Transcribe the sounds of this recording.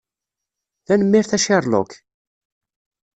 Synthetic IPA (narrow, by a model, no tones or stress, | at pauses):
θænəmːɪɾθæʃɪɾˤlo̰k